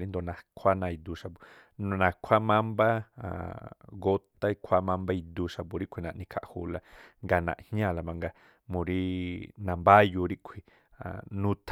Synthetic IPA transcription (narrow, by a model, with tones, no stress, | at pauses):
ɾi˦nd̪o˧˨nã˨kʷʰa˦nã˧i˧d̪u˧ʃa˧bu˨ | nũ˧nã˨kʷʰa˦mã˦mba̰˦˨ | ɡo˦t̪a˦i˧kʷʰa˦mã˧mba˦i˧d̪u˧ʃa˧pu˧˨ɾi˦kʷʰi˧nã˨ʔnĩ˧kʰa̰˧ʔhu˧la˧ŋɡa˧nã̰˨ʔhɲã˦˧˨la˧mã˧ŋɡa˧ | mũ˨˧ɾi˦nã˨mba˦ju˧ɾi˦kʷʰi˧ | a̰˨nũ˦t̪ʰ